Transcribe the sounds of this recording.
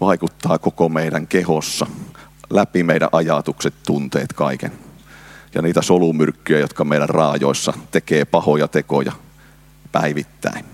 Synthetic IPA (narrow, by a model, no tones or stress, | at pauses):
ʋɑikut̪ːɑːkokomeiɾæŋkehosːɑ | læpimeiɾæ̰ʔɑjɑt̪ukset̪tunt̪ḛːt̪kɑikḛn | jɑ̰niːt̪æsolumyrkːyjæjot̪kɑmeiɾærrɑːjo̰ˑisːɑt̪ekeːpɑhojɑt̪eko̰jɑ̰ | pæiʋit̪ːæ̰in